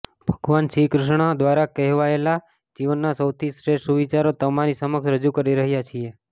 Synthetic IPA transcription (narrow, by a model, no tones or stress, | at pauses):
b̥ʱəɡʋanʃikɾʊʃɳ̃ad̪ʋaɾakɛɦʋaela | d͡ʒiʋənːasəwt̪ʰisɾeʃuʋit͡ʃaɾot̪əmaɾisəməkʃɾəd͡ʒukəɾiɾəɦjat͡ʃʰie